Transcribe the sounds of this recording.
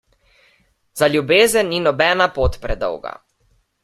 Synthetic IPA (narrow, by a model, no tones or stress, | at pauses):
zalʲjubeːzənːinɔbɛːnapoːt̪pɾɛd̪ɔ̰wɡa̰